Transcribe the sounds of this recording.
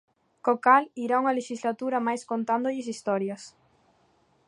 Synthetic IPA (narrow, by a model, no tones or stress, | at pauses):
kokaliɾauŋɐleʃizlat̪uɾɐmajskont̪and̪ʊʎɪs̬ist̪ɔɾjɐs